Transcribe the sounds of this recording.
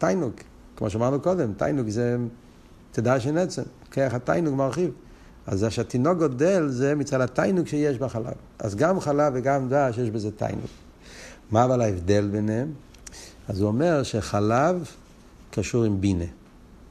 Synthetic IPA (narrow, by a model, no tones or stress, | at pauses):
tajnuɡ | kmoʃamaʁnukodɛmta̰jnuɡzɛ | t̪edaʃ̬ɛnɛt͡sem | keaχatajnuɡmaʁχiv | azaʃat̪inoɡɔdɛlzɛmit͡sadatajnuɡʃejɛʃbaχala̰v | a̰zɡamχalaveɡamdaʃjɛʃbezɛta̰jnṵɡ | maːvalaɛvdelbɛnɛm | azuomɛʁʃeχalav | kaʃuʁimbine